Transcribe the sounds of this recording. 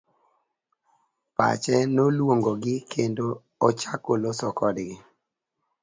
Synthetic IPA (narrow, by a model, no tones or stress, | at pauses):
pa̰t͡ʃɛnolwoŋɡoɡɪkʰendo | ɔt͡ʃakolosɔkɔdɡɪ